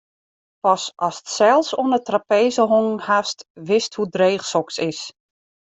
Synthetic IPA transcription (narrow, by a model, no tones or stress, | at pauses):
pɔsɔsətsɛlˠsonətrapeːzəɦoŋhastʋɪsthudreːχsɔksɪs